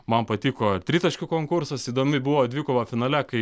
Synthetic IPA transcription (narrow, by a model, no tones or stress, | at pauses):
mɐnpɐt̪ʲiːkoːt̪ʲɾʲiːt̪ɐʃʲkʲʊkoːŋkʊrsɐsiːd̪oːmʲɪbuʋoːd̪ʲʋʲiːkoʋɐfʲɪnɐːlʲɛkɐɪ